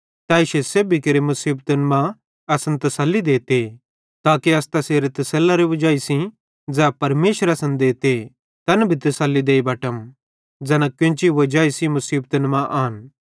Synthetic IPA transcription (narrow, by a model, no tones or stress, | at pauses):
t̪ãːɪʃesebʱikɐɾemɐsiːbt̪ənmã | ɐsɐnt̪ɐsɐlːid̪eːt̪e | t̪aːkiɐst̪ɐseːɾet̪ɐsɐlːaɾeʋɐd͡ʒaːisĩ | d͡zɛːpɐɾmeːʃəɾɐsɐ̃nd̪eːt̪e | t̪ɐnbʱit̪ɐsɐlːid̪eːibɐːʈəm | d͡zɛːnãkjõːt͡ʃiʋɐd͡ʒaːisĩmɐsiːbt̪ənmãʔaːn